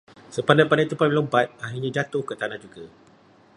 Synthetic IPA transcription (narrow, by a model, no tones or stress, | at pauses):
səpandapanait̪upalobat̪̚aɦiɲãd͡ʒat̪ʊhkət̪anahd͡ʒuɡa